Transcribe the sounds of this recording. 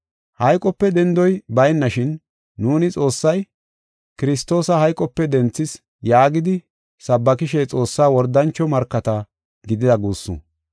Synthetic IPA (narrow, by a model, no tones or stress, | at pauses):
hɐjkʼɔpːɛd̪ɛnd̪ɔjbɐjnːɐʃɪnː | uːnɪt͡sʼo̞ːsːɐj | kɪɾɪst̪o̞ːsɐhɐjkʼːɔpːɛd̪ɛnt͡sːɪs | jaːɡɪd̪ɪ | sɐbːɐkɪʃɛt͡sʼo̞ːsːaːwɔɾd̪ɐnt͡ʃːɔmɐɾkːɐt̪ɐ | ɡɪd̪ɪd̪ɐɡuːsːʊ̰